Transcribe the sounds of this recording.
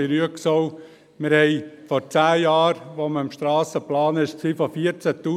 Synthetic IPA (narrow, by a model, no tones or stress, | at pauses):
iɾyəksoʊ | mɪɾhɛɪfɔɾt͡sæːjɑːɾʋoməɪmʃtɾɑːsəplɑːnɪʃsiːfɔfiəɾt͡sæt̪ːuː